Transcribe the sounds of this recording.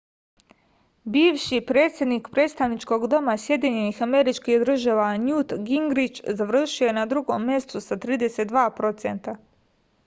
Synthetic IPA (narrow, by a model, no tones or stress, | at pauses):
biːʋʃipɾe̞ːt̪sʲje̞d̪nikpɾe̞ːt̪st̪aʋnit͡ʃko̞ɡd̪o̞masje̞d̪iɲe̞nixame̞ɾit͡ʃkihd̪r̩ʒaʋanjut̪ɡiŋɡɾit͡ʃzaʋr̩ʃiojenad̪ɾuɡo̰mːje̞st̪usat̪ɾiːd̪e̞se̞t̪d̪ʋaːpɾo̞t̪sḛnt̪a